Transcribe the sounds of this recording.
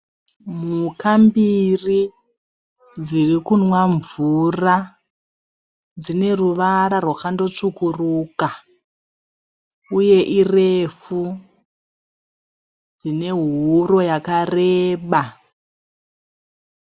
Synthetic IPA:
mukambiri | d͡zirikunwaɱvura | d͡zine̞ruʋaɾarwakando̞t͡ʂukuruːka | uje̞ʔire̞fu | d͡zine̞ɦuro̞jakareːɓa

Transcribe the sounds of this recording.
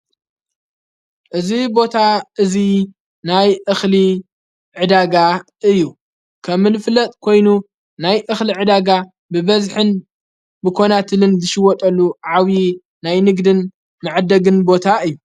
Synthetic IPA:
ʔɨzibo̞t̪ʰaʔɨzi | najʔɨxli | ʕɨd̪aɡa | ɨjːu | kʰɐmːɨnɨflːɐt̪ʼkʰo̞jnu | najʔɨxliʕɨd̪aɡa | bɨβɐzħɨn | bɨkʰo̞nat̪ʰɨlɨnzɨʃɪwɔt̪ʼɐlːuʕawi | najnɨɡd̪ɨn | mɨʕd̪ɐɡɨnbo̞t̪ʰaɨjːu

